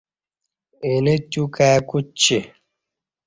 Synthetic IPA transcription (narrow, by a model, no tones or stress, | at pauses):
enetukakut͡ʃe